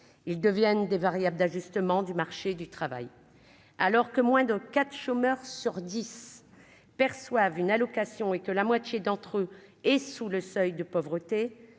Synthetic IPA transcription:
ild̪əvjɛnd̪evaʁjabld̪aʒyst̪əmɑ̃d̪ymaʁʃed̪yt̪χava̰j | alɔʁkəmwɛ̃d̪əkat̪χʃomœʁsyʁd̪is | pɛʁswavynalɔkasjɔ̃ekəlamwat̪jed̪ɑ̃t̪χøɛsuləsœjd̪əpɔvʁət̪e

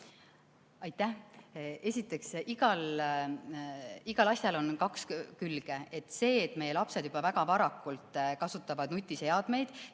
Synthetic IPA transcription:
ɑjt̪ːˑæhe̞sʲit̪ːˑe̞ksiɡ̥ɑl | iɡ̥ɑlɑsʲjɑlo̞nkɑkskylɡ̥ee̞t̪ːˑse̞ːt̪ːˑme̞jːe̞lɑpse̞d̪jub̥ɑvæɡ̥ɑpɑɾɑkːˑult̪ˑkɑsut̪ːˑɑvɑd̪̥nut̪ʲːˑise̞ɑd̪̥me̞jd̪̥

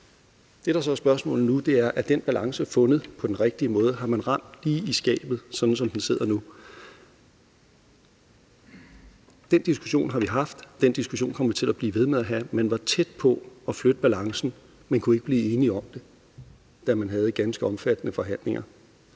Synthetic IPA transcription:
d̥e̝ɾ̥ɑ̈sɒ̽æsb̥ɶɐsmɔ̰̽l̩nud̥e̝æɐʔæd̥enb̥ælʔɑ̈ŋsəfɔ̽nð̞̩ˠpʰɒ̽d̥enʁeɡ̥̚d̥iəmɔ̽ːð̞ˠəɦɑ̈mænʁɑ̈m̰d̥liːisɡ̥ɛ̰ːb̥ð̞̩ˠsɒ̽d̥n̩sɒ̽md̥en̩se̝ð̞̰ˠɐnu | d̥en̰d̥isɡ̥uɕo̝̰ːnɦɑ̈ʋiɦɑ̈fd̥ːend̥isɡ̥uɕo̝̰ːnkʰɒ̽m̰ʋit͡sʰe̝læb̥liːʋe̝ð̞ˠmeðˠæɦæmenʋɑ̈t͡sʰed̥̚pʰɒ̽ɒ̽flød̥əb̥ælɑ̈ŋsn̩ | menkʰue̝ɡ̥əb̥liːe̝ːniɒ̽md̥e̝ | d̥æmænɦɛːð̞̩ˠɡ̥ænsɡ̥əɒ̽mfæd̥ənəfɒ̽ɦæn̰le̝ŋʔɐ

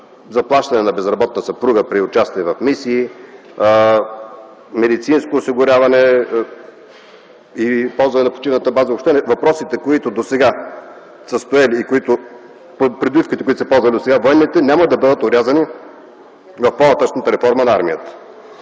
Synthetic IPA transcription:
zɐplˠaʃt̪ɐnɛnɐbɛzɾɐbɔt̪̚nəsɐpɾuɡəpɾiʊt͡ʃast̪iɛvɐfmisiː | mɛd̪it̪sinskoːsiɡʊɾʲjavɐnɛ | ipɔlˠzvɐnɛnɐpo̥t͡ʃivnət̪əbazɐopʃt̪ɛnɛvɐpɾɔsit̪ɛkoit̪ʊd̪osɛɡa | səst̪oɛliːkoit̪ʊ | pɾid̪vifkit̪ɛkʊit̪osɛpɔlˠzvɐlid̪osɛɡavoɛnːit̪ɛnʲaməd̪ɐbɤd̪ət̪oɾʲazɐni | vɐfponɐt̪at͡ʃnət̪əɾɛfɔɾmɐnɐaɾmijət̪ə̥

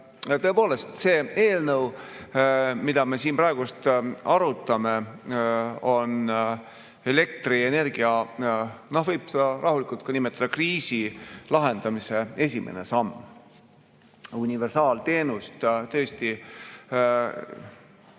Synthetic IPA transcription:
t̪ɤ̞e̞po̞ːle̞st̪se̞ːe̞ːlnɤw | mid̪ɑme̞siːnpɾɑeɡust̪ɑɾut̪ːˑɑme̞ | o̞n | e̞le̞k̚t̪riene̞rɡ̥iɑ | nohvɤjb̥sed̪̥ɑɾʔɑɦulikult̪̚kunimet̪ːˑɑd̪̥ɑkriːsilɑɦend̪̥ɑmise̞e̞sʲimʔḛnesɑmː | unʲive̞rsɑːlt̪e̞ːnust̪t̪ɤ̞st̪i

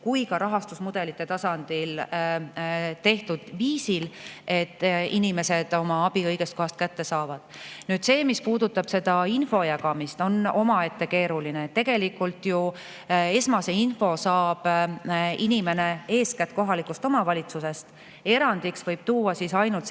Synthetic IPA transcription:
kujkɑɾɑɦɑst̪usmud̪̥e̞lit̪ːˑe̞t̪ɑsɑnd̪̥il | t̪e̞ht̪ud̪̥viːsile̞t̪ːinime̞se̞d̪̥o̞mɑɑb̥iɤjɡ̥e̞st̪ko̞ɦɑst̪̚kæt̪ːe̞sɑːvɑd̪̥nyːd̪̥se̞ːmispuːd̪ut̪ːˑɑb̥se̞d̪̥ɑinfo̞jæɡɑmist̪o̞no̞̰mɑe̞t̪ːe̞ke̞ːɾulineet̪ːe̞ɡ̥e̞likːˑult̪ˑju | e̞smɑse̞info̞sɑːb̥ | inime̞ne̞e̞ːskæt̪ːˑko̞ɦɑlikust̪o̞mɑvɑlʲit̪suse̞st̪ | e̞ɾɑnd̪iksvɤjb̥̚t̪uːɑsisɑjnult̪

